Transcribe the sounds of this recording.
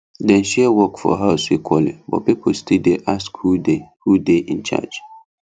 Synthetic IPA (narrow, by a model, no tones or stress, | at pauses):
dɛ̃nʃɛwɔkfɔ̰ɦaʊsikʰwɔlḭbɔ̰pipʰostildeʔaskhudehudeʔĩnt͡ʃa̰d͡ʒ